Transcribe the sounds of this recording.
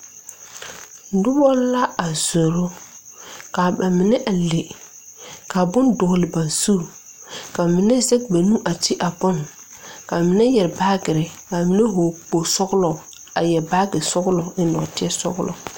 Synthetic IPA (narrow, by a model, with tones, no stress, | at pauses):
dʊ˦bɔ˦la˦a˨zo˨ɾo˦ | ka˨ba˨mɪ˨nɛ˦ʔa˨le˨ | ka˨bʊ˦ndʊ˨ɣlɪ˨ba˨nsu˦˨ | ka˨mɪ˨nɛ˦zɛ˦k̚ba˨nũ˦ʔa˨tɪ˦ʔa˨bʊ˦n | ka˨mɪ˨nɛ˦jɛ˨ɾbaː˦ɡɪ˨ɾɪ˨ka˨mɪ˦nɛ˦ɦo˨k͡po˨sɔ˦ɣʊ˦lɔ˨ | a˨jɛ˨ɾbaː˦ɡɪ˨sɔ˦ɣʊ˦lɔ˨ɪ˦nɔ˨tɪ˦ɛ˦sɔ̰˦ɣʊ˦lʔɔ̰˨